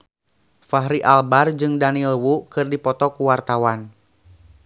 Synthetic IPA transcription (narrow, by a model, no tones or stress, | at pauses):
faɦɾiʔalbard͡ʒɨŋdanilwuʔkɨrdipɔt̪ɔkuwart̪awan